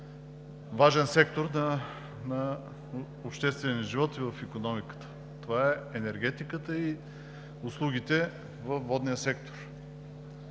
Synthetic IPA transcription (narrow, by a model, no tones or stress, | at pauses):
vaʒɛnsɛk̚t̪oɾnə | nɐ | ʊpʃt̪ɛst̪vɛnʲɛnəʒivɔt̪ivəfikonɔmikə̥t̪ə̥ | t̪ovaɛɛnɛɾɡ̟ɛt̪ikət̪əi | ʊslˠuɡʲit̪ɛ | vəfvɔd̪nijəsɛk̚t̪o̥ɾ